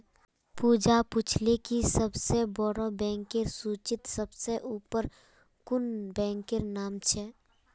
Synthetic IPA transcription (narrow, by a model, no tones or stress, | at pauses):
puːd͡ʒapʊt͡ʃʰlekisəbsebəɽobɛ̃ːŋkeɾsuːt͡ʃɪt̪səbseʔuːpəɾ | kʊnbɛ̃ːŋkeɾnaːmt͡ʃʰɛː